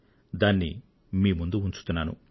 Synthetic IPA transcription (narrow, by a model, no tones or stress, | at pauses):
d̪aːnːḭ | miːmund̪uuɲt͡ʃu̥t̪unːaːnṵ